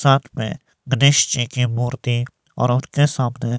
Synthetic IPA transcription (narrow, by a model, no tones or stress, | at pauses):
saːt̪ʰmḛ̃ | ɡəneːʃt͡ʃikimuːɾt̪i | ɔ̰ːɾʊnkesaːbne